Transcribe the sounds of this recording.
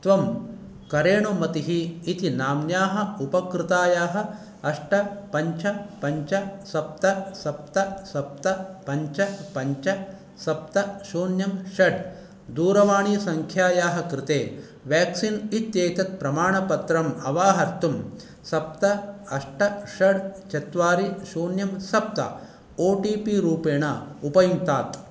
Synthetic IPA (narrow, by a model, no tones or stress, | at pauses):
t̪ʋɐm | kɐɾeːɳumɐt̪iɦiːt̪inaːmjaːɦɐ̆upɐkɾɪt̪aːjaːɦɐ̆ | ɐʂʈɐpɐɲt͡ʃɐpɐɲt͡ʃɐsɐp̚t̪ɐsɐp̚t̪ɐsɐp̚t̪ɐpɐɲt͡ʃɐpɐɲt͡ʃɐ | sɐp̚t̪ɐʃuːnjɐmʃɐɖ | d̪uːɾɐʋaːɳiːsɐŋkʰjaːjaːɦɐkɾɪt̪eː | ʋaːksinit̪jeːt̪ɐt̪̚pɾɐmaːɳɐpɐt̪ɾɐmɐʋaːɦɐɾt̪um | sɐp̚t̪ɐɐʂʈɐʃɐɽt͡ʃɐt̪ʋaːɾiʃoːnjɐmsɐp̚t̪ɐ̰ | oːʈiːpiɾuːpeːɳɐupɐjunt̪aːt̪